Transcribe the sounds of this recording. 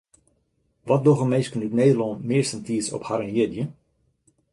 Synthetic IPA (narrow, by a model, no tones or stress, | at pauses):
ʋɔt̚doɣəmeːskənytneːdəlɔnmɪːɹsəntiːsɔ̰phaɾənjɪdjə